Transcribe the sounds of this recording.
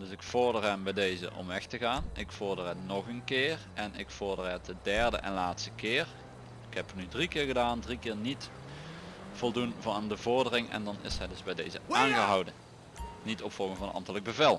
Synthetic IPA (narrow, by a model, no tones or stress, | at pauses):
dɵsɪkfʊɹdərɦɛmbɛjdejzə̰ʔɔ̰mʋɛxtəɣaːnɪkfʊɹdərɛnɔχənkɪːr | ɛnɪkfʊɹdərɦɛtədɛɹdə̰ʔɛ̰nlaːtstə̥kɪːɹ | ɪkɦɛpnydrikɪːɹɣədaːndrikɪːɹnit | v̥ɔlˠdunvndəvʊɹdərɪŋɛ̰ndɑnɪ̰sɦɛjdɵzbɛjdejzə̰aːnɣəɦɑwdən | nitɔpfɔlˠɣənvɑnənɑ̰mtələɡ̚bəvɛlˠ